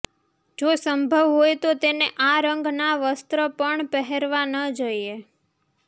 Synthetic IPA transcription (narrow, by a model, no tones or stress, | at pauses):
d͡ʒosəmbʱəʋɦojt̪ot̪eneʔaɾəŋɡnaʋəst̪ɾəpəɳpəɦeɾʋanəd͡ʒəie